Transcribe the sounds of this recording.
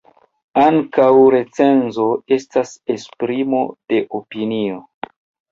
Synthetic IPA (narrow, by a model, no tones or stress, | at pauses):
aŋkawɾe̞t͡se̞nzo̞e̞stase̞spɾimo̞d̥e̞ʔopinio